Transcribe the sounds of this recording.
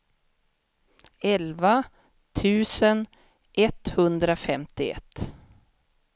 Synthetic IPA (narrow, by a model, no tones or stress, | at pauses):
ɛlva | t̪ʰʉ̟ːsən | ʔɛt̪hɵnd̪ɾafɛmt̪ɪɛ̰t̪ː